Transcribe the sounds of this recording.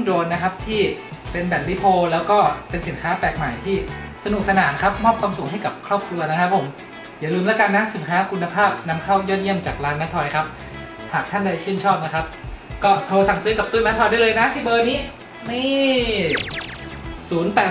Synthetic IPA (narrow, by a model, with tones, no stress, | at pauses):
doː˧nːa˦˥kʰa˦˥p̚t̪ʰiː˥˩pe˧nbɛː˨˩t̚li˦˥pʰoː˧lɛː˦˥wkɔː˥˩pe˧nsi˨˩˦nkʰaː˦˥pɛː˨˩k̚maː˨˩˦jt̪ʰiː˥˩sa˧nu˨˩k̚sa˧naː˩˦nkʰa˦˥p̚mɔː˥˩p̚kʰwaː˧msuː˨˩˦ŋɦa˥˩jka˨˩p̚kʰɾɔː˥˩p̚kʰɾu˧ɐna˦˥kʰa˦˥pʰːo˩˦m | jaː˨˩lɯː˧mlɛː˦˥kaː˧nːa˦˥msi˨˩˦nkʰaː˦˥kʰu˧nːa˧pʰaː˥˩p̚na˧˥mkʰa˥˩wjɔː˥˩t̪̚ji˥˩əmt͡ɕaː˨˩k̚laː˧nmɛ˦˥t̪ʰːɔ˧jkʰa˦˥p̚ | haː˨˩k̚t̪ʰa˥˩ndaː˥˩jt͡ɕʰɯ˥˩əmt͡ɕʰɔː˥˩p̚na˦˥kʰa˦˥p̚kɔː˥˩t̪ʰoː˧sa˨˩˦ŋsɯː˦˥ka˨˩p̚t̪u˥˩mɛ˦˥t̪ʰɔ˧jdaː˥˩lɤː˧jna˦˥t̪ʰiː˥˩bɤː˧niː˦˥ | miː˥˩ | suː˨˩˦npɛː˨˩